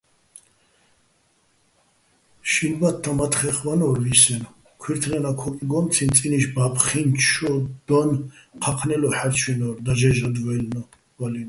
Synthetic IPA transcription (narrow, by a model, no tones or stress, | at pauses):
ʃinbat̪ʰːamat̪ʰχɛχvanɔɾvisɛnɔ | kʰwiɾt̪ʰɾɛnakʰɔkʼiɡɔmt̪t͡s̪ʰint͡s̪ʼiniʃbapʰχint͡ʃʰɔd̪̥ɔnqʰaqʰnɛlɔħaɾt͡ʃʰwinɔɾd̪aʒɛʒad̪vɛlnɔ | valin